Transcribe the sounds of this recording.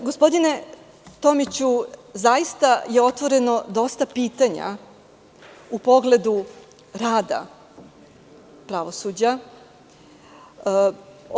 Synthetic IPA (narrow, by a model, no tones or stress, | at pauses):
ɡospo̞d̪ine̞ | t̪o̞mit͡ɕuzajist̪aje̞o̞t̪ʋo̞ɾe̞no̞d̪o̞st̪apiːt̪aɲa̰ | upo̞ɡle̞d̪u | ɾaːd̪a̰ | pɾaʋo̞sud͡ʑa